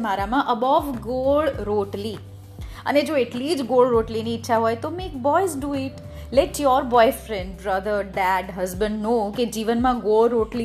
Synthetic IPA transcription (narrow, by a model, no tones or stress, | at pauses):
maɾamãʔəbɔʋɡoɭɾoʈli | ə̰ned͡ʒoeʈlid͡ʒɡoɭɾoʈliniːtːʃʰaɦojt̪omek̚bɔjzɖuɪʈ | lɛʈjɔɾbɔjfɾɛ̃ɳɖbɾəd̪əɾɖæɖɦəzbə̃ɳɖnoked͡ʒiʋənmãɡolɾoʈli